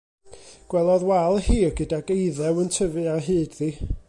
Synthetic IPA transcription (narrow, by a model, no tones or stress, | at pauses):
ɡ̥wɛlˠɔðwalˠhiːɡədaɡejðɛwəntʰəvɨaɦɨːdði